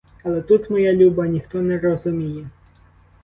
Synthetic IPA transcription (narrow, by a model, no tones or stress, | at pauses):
ɐlˠɛt̪ut̪mɔjalʲubɐnʲixt̪ɔnɛrɔzʊmʲijɛ